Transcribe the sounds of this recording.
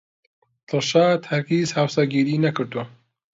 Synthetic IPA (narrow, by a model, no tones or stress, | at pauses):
t̪ɨlʃaːt̪hɐɾkiːzhaːwsaɡiːɾiːnɐkɨɾd̪uwɐ